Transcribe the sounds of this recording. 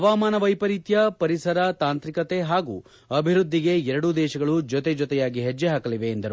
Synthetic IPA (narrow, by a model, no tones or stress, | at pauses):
ɐʋaːmaːnɐʋɐjpɐɾit̪jɐpɐɾisɐɾɐt̪aːnt̪ɾikɐt̪e̞ɦaːɡuː | ɐbʱiɾud̪ʱːiɡe̞ɛɾɐɽud̪ɛːʃɐɡɐɭud͡ʒɔt̪ed͡ʒɔt̪ɛjaːɡiɦɛd͡ʒːɛɦaːkɐliʋe̞ːnd̪ɐɾu